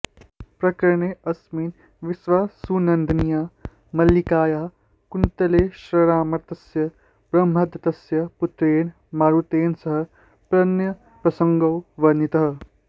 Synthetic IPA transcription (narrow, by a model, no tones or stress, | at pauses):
pɾɐkɐɾɳeːɐsmiːn | ʋisʋaːsuːnɐnd̪ɐnijaː | mɐljikaːjaː | kunt̪ɐleːʃɾɐɾaːmɐɾt̪ɐsjɐ | b̥ɾɐmʱɐd̪ɐt̪ɐsjɐput̪ɾeːn | maːɾut̪eːnsɐɦɐ | pɾɐnjɐ | pɾɐsɐŋɡɐwʋɐɾnit̪ɐɦɐ̆